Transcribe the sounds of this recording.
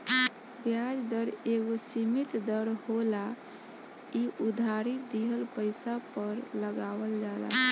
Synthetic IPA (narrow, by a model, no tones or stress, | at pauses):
bjad͡ʒd̪əɾeɡosimit̪d̪əɽhola | iud̪ʱaɾid̪iɦəlpəɪsapəɾləɡaʋəld͡ʒala̰